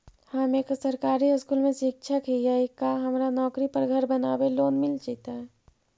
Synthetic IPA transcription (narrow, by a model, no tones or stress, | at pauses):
həmeksəɾkaːɾiəskulmẽsik̚t͡ʃʰəkijaikaɦəmɾanɔːkɾipəɾɡʱəɾbənaːbeloːnmilt͡ʃit̪a